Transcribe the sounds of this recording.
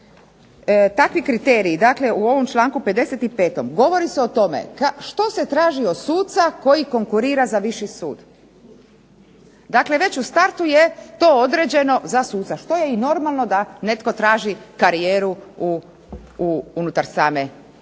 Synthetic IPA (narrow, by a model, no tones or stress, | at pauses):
t̪akʋikɾit̪eːɾiːd̪akle̞uo̞ʋo̞mt͡ʃlˠaːŋkupe̞d̪e̞set̪ipe̞ːt̪o̞mɡo̞ʋo̞ɾiseot̪o̞mḛkaʃt̪o̞se̞t̪ɾaːʒiod̪suːt̪sako̞jiko̞ŋkuɾiːɾazaʋiʃisṵːd̪ | d̪akle̞ʋe̞t͡ɕust̪aɾt̪ujet̪o̞od̪ɾed͡ʑe̞no̞zasuːt̪saʃt̪o̞je̞ino̞ɾmalˠno̞d̪ane̞t̪ko̞t̪ɾaːʒikaɾijeːɾuu | uunut̪aɾsaːme